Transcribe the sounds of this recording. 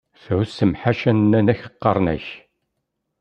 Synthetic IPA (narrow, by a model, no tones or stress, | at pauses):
θʕʊsəmħaʃænnːænæçə̥qːɑrˤnæ̰ç